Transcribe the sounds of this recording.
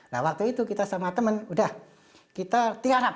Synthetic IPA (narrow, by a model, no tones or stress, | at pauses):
la̰wak̚t̪uit̪ukit̪asamat̪əmənudah | kit̪at̪iaɾap